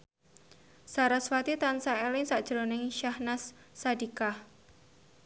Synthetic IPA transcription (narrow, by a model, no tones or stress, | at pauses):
saɾaswat̪it̪ansaɛlɪŋsaʔd̥ʒ̥ɾonɪŋʃahnasːadikah